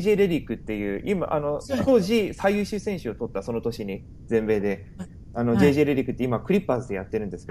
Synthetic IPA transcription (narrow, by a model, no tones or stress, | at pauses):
ʑeːɾe̞ɾʲikːɯ̟t̪ːe̞jɯ̟ːʔima̰ʔa̰no̞t̪o̞ːʑisaijɯ̟ːɕɨsẽ̞ɰ̃ɕɨo̞t̪o̞t̪ːaso̞no̞t̪o̞ɕiɲ̟i | d͡zẽ̞mbe̞ːd̪e̞ | ano̞d͡ʑe̞ːʑeːɾeɾʲikːɯ̟t̪ːeimakɯ̟ɾʲipːasɨd̪e̞jat̪ːe̞ɾɯ̟nd̪e̞sɨ̥ke